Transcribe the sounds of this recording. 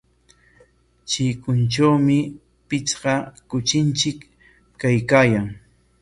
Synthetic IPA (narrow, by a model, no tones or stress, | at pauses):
t͡ʃɪkʊnt͡ʃawmɪ | pɪt͡sɢɑkʊt͡ʃɪnt͡ʃɪkː | ajkaːjaŋ